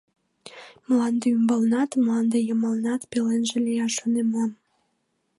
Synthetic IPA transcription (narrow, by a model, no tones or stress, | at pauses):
mlɑnd̪eymbəlnɑt̪mlɑnd̪ejəməlnɑt̪pelenʒelʲejɑʃonemɑm